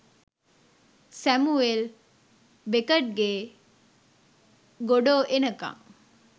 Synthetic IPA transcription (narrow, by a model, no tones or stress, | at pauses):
sæmuel | bekɐʈ̚ɡe | ɡoɖoːʔenɐkɐ̰ŋ